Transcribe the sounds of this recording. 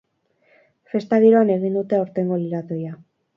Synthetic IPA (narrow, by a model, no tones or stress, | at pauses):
fe̞st̪aðiɾoane̞ɣ̞ind̪ut̪e̞oɾt̪e̞ŋɡo̞liɾat̪oja